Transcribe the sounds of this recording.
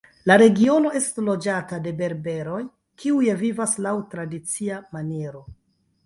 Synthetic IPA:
laɾe̞ɡio̞no̞e̞stlo̞d͡ʒatade̞be̞ɾbe̞ɾo̞j | kʰiujevivaslawtɾadit͡siamaneɾo̞

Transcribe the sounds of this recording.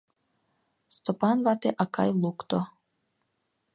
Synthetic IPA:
st̪opɑnβɑt̪eʔɑkʰɑ̰jlˠukt̪o

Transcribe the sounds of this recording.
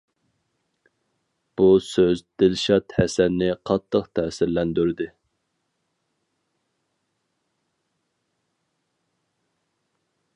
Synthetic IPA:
b̥usøzd̪ɪlʃɑt̪hɛsɛnːɪqʰɑt̪ʰːəqt̪ʰɛːsɪɾlɛnd̪yɾd̪ɪ

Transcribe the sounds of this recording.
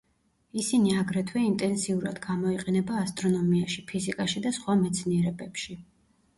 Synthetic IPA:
isiniaɡɾɛt̪ʰwɛint̪ʼɛnsiuɾad̪̥ɡamɔiqʼɛnɛbaːst̪ʼɾɔnɔmiaʃipʰizikʼaʃid̪asχwamɛt̪sʰniɛɾɛbɛpʃi

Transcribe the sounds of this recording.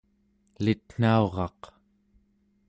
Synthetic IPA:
lit̪n̥ao̞ʁɑ̰q

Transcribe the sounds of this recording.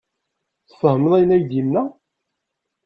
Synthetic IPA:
θsəhməðˤæjnæjd̪inːæ

